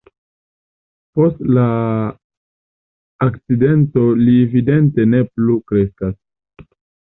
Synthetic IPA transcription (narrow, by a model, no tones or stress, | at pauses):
po̞stla | kt͡side̞nto̞lievide̞nte̞ne̞plukɾe̞skas